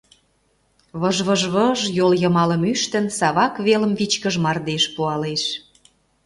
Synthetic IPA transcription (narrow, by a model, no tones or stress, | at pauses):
βəʒβə̆ʒβəʒjoljə̆mɑlə̆myʃt̪ə̆nsɑβɑkβelə̆mvit͡ɕkəʒmɑrd̪eʃpuɑleʃ